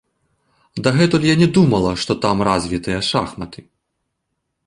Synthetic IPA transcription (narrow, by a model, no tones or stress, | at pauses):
d̪ɐɣɛt̪ɔlʲjanʲɛd̪umɐlˠɐʂt̪ɔt̪amrazʲvʲit̪ɨjɐʂaxmɐt̪ɨ